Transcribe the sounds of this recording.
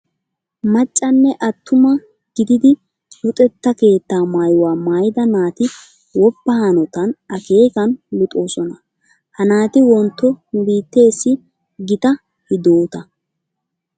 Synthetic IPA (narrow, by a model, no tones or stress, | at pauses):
mɐt͡ʃʼːɐnːɛʔɐt̪ːʊmɐ | ɡ̥ɪd̪ɪd̪ɪ | lʊt̪ʼɛt̪ːɐke̞ːt̪ːaːmaːjʊwaːmaːjɪd̪ɐnaːt̪ɪ | wɔbːɐhɐnɔt̪ɐnɐke̞ːkɐnlʊt̪ʼoːsɔnɐ | hɐnaːt̪ɪwɔnt̪ːɔʊbiːt̪ːe̞ːsːɪ | ɡɪt̪ɐ | hɪd̪oːt̪ɐ